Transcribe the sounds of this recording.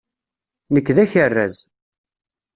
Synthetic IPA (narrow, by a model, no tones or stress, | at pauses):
nəkːðæçərːæ̰z